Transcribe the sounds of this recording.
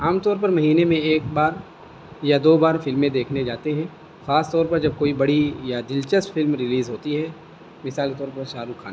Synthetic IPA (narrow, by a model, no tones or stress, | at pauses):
aːmt̪ɔːɾpɐɾmɐɦiːnemẽeːkbaːɾ | jad̪oːbaːɾfɪlmẽd̪eːkʰned͡ʒaːt̪eɦɛ̃ː | xaːst̪ɔːɾpɐɾd͡ʒɐb̚koːibɐɽijad̪ɪlt͡ʃəstfʰɪlmɾɪliːzɦoːt̪iɦɛ | mɪsaːlket̪ɔːɾpɐɾʃaːɾukʰa̰ː